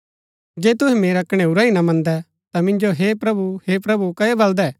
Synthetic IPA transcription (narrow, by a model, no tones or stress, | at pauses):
d͡ʒeːt̪ʊɦɛ̃meːɾɐkʰɽ̃ɛʊɾaːinɐmɐ̃nd̪ɛ | t̪amɪ̃nd͡ʒoɦepɾɐbuheːpɾɐbukɐebɐld̪ɛː